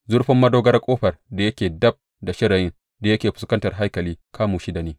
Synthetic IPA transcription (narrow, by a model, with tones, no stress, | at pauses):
zʊ˦ɽɸɐ˦mːɐ˦doː˦ɡɐ˦rkʷʼoː˦ɸɐ˨rda˨jɐ˦kʲeː˨dɐ˦b̚ | da˨ʃɪ˦ɽɐ˨jɪ˦ŋ | da˨jɐ˦kʲeː˨ɸʊ˨skɐ˦ntɐ˨rɦa˦jkɐ˨liː˦kʰaː˦muː˨ʃi˦da˨niː˦